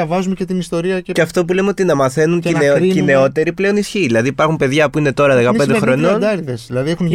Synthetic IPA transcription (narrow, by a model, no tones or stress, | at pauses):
ɐvɐzumece̞t̪inist̪o̞ɾiɐeceɐft̪o̞p̬ule̞meo̞t̪inɐmɐθe̞nuncine̞o̞t̪e̞ɾiple̞o̞nisçiðilɐðiːpɐɾxumpe̞ðʝɐpuine̞t̪o̞ɾɐðe̞kɐend̪xɾonond̪ɐɾiðesðilɐðiexun